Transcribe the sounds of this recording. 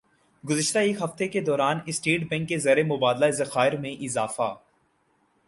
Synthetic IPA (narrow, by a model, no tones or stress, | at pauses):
ɡʊzəʃt̪aeːkɦɐft̪eked̪ɔːɾaːnɪsʈiːʈbɛ̃ŋkːezɐɾemʊbaːd̪laezɐxaːɪɾmẽʔɪzaːfa̰ː